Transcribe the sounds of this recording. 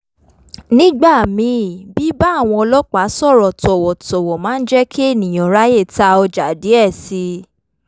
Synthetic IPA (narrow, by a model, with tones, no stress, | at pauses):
nĩ˦ɡ͡ba˦˨mĩ˧˦˨bi˨˦ba˦˨w̃ɔ̃˧ɔ˧lɔ˦k͡pa˨˦sɔ˦˨ɾɔ˨tɔ˨wɔ˨tɔ˨wɔ˨mãː˨˦n̩˦d͡ʒɛ˦kʰe˦e˦˨nĩ˨j̃ɔ̃˨ɾa˦je˦˨ta˧ɔ˧d͡ʒa˨de˨˦ɛ˦˨si˧˦